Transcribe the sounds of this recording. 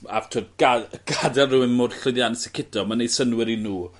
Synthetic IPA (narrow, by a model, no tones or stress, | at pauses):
a̰v̥tʰoːdɡ̥aɡ̥adɛlˠruɪnmʊrɬʊðjansɛkʰɪd̥ɔmanejsənwɪɾinuː